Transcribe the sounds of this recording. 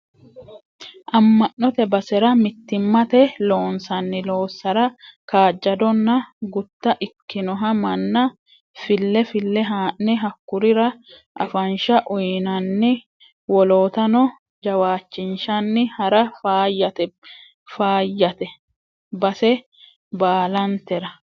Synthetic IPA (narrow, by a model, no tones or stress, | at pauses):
ʔɐmːɐʔːɔt̪ɛbɐsɛɾɐmɪt̪ːɪmːɐt̪ɛlo̞ːnsɐnːɪlo̞ːsːɐɾɐkaːd͡ʒːɐd̪ɔnːɐɡʊt̪ːɐʔɪkːɪnɔɦɐmɐnːɐ | fɪlːɛfɪlːɛɦaːʔːɛɦɐkːʊɾɪɾɐ | ʔɐ̰fɐnʃɐʔʊjnɐnːɪ | wɔlo̞ːt̪ɐnɔ | d͡ʒɐwaːt͡ʃːɪnʃɐnːɪhɐɾɐfaːjːɐt̪ɛ | faːjːɐt̪ɛ | bɐsɛ | baːlɐnt̪ɛɾɐ